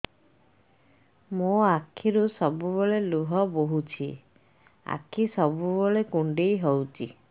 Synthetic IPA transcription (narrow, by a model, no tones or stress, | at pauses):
mũakʰːiɾusɔbubɔɭeluɦɔboɦut͡ʃʰi | a̰kʰːisɔbuboɭekuɳɖejɦɔwt͡ʃʰi